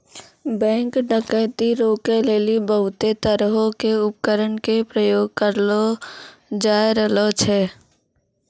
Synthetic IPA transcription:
bɛ̃ːŋkɖʱəkəɪt̪iɾoːkeleːlibəɦʊt̪et̪əɾɦõkeʊp̚kəɾəɳkepɾəjoːɡ̚kəɾlo | d͡ʒaːeɾəlot͡ʃʰɛː

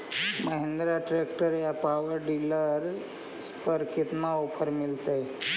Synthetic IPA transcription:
məɦẽnd̪ɾaʈɾek̚ʈəɾjapaʋəɾɖiləɾ | spəɾkit̪naopʰəɾmɪlt̪ej

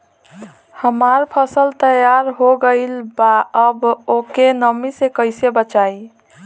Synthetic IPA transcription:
həmaɾpʰəsəlt̪əjaɾɦoɡəɪlbaəbokenəmisekəɪsebət͡ʃai

